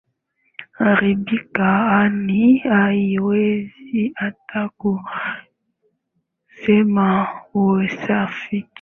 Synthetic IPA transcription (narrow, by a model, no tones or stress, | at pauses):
aɾibikaaniajiweziataku | semawoesafik